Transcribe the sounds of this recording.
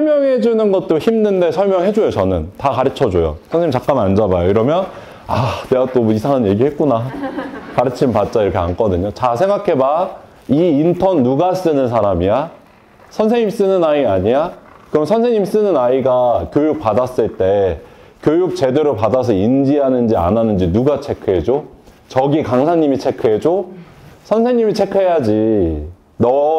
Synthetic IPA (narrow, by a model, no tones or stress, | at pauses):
sʰʌɭmjʌŋɦe̞d͡ʑunɯnɡʌt̚t͈oçimnɯnde̞sʰʌɭmjʌŋɦe̞d͡ʑojot͡ɕʌnɯntakaɾɯt͡ɕʰʌd͡ʑojo̰sʰʌnsʰeɲimt͡ɕak͈anand͡ʑabajoiɾʌmjʌn | aneɡat͈oisʰaŋɯnje̞ɡihe̞t̚k͈una | kaɾɯt͡ɕʰimpat͡ɕ͈aiɾʌkʰeank͈ʌdɯɲot͡ɕasʰe̞ŋɡakʰe̞ba | iːntʰʌnːuɡas͈ɯnɯnsʰaɾamija | sʰʌnsʰe̞ŋɲims͈ɯnɯnaiaɲija | kɯɾʌmnsʰʌnsʰeɲims͈ɯnɯnaiɡakʲjojuk̚padas͈ɯɭt͈e̞ | kjojuk̚t͡ɕe̞de̞ɾopadasʰʌind͡ʑiɦanɯnd͡ʑia̰nanɯnd͡ʑinuɡat͡ɕʰe̞kʰɯɦe̞d͡ʑo | t͡ɕʌɡikaŋsʰaɲimit͡ɕʰe̞kʰɯɦe̞d͡ʑo | sʰʌnsʰe̞ŋɲimit͡ɕʰe̞kʰɯɦe̞jad͡ʑi | nʌ